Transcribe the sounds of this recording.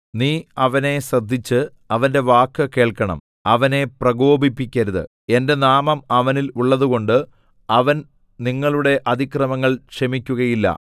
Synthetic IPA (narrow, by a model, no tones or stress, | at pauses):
niːɐʋɐne̞srɐd̪ʱːit͡ɕːɨ | ɐʋɐnde̞ʋaːkːɨke̞ːɭkɐɳɐ̰m | ɐʋɐne̞prɐɡo̞ːbipːikʲːɐɾuðɨ̰ | e̞nde̞naːmɐmɐʋɐniluɭːɐðuɣo̞ɳɖɨ | ɐʋɐn | niŋːɐɭuɽe̞ʔɐd̪ʱikrɐmɐŋːɐɭkʂɐmikʲːuɣɐjilːɐ̰